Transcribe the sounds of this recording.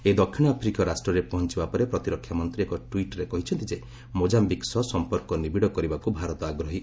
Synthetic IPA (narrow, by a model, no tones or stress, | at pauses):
ed̪ɔkʰːiɽ̃ɔapʰɾikɔɾasʈɾɔɾepɔɦɔnt͡ʃibapɔɾepɾɔt̪iɾɔkʰːjamɔnt̪ɾiekɔʈwiʈɾekɔɦit͡ʃʰɔnt̪id͡ʒe | mod͡ʒambiksɔsɔmpɔɾkɔnibiɽɔkɔɾibakubʱaɾɔt̪ɔaɡɾɔɦi